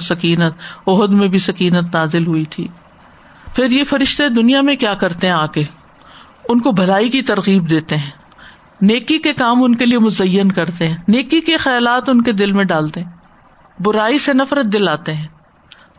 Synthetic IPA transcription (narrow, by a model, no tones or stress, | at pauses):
sɐkiːnət̪̚ʊɦʊd̪mẽbʱisɐkiːnət̪naːzɪlɦʊit̪ʰḭː | fʰɪɾjefɐɾɪʃt̪ed̪ʊnijamẽkjaːkɐɾt̪eɦɛ̃aːke | ʊnkobʱɐlaːikit̪ɐɾɣiːbd̪eːt̪eɦɛ̃ː | neːkikekaːmʊnkeliemʊzɐjːənkɐɾt̪eɦɛ̃ːneːkikexɛːlaːt̪ʊnked̪ɪlmẽɖaːlt̪eɦɛ̃ː | bʊɾaːisenɐfɾət̪̚d̪ɪlaːt̪eɦɛ̃ː